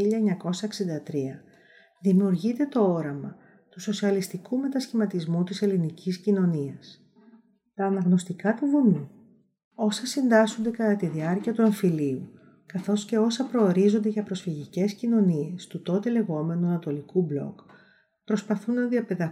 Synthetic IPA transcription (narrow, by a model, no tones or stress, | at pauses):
iʎɐeɲɐko̞sɐeksind̪ɐt̪ɾiɐ | ðimiuɾʝit̪e̞t̪o̞o̞ɾɐmɐ | t̪uso̞siɐlist̪ikume̞t̪ɐsçimɐt̪izmut̪ise̞linicʰiscino̞niɐs | t̪ɐːnɐɣno̞st̪ikɐt̪uvumi | o̞sɐsind̪ɐsond̪e̞kɐt̪ɐt̪iðiɐɾciɐt̪ueɱfiliu | kɐθo̞sce̞o̞sɐpɾo̞ːɾizo̞nd̪e̞ʝɐpɾo̞sfiʝice̞scino̞niest̪ut̪o̞t̪e̞le̞ɣo̞me̞nuɐnɐt̪o̞likublo̞̰k | pɾo̞spɐθunːɐðiɐpe̞ðɐ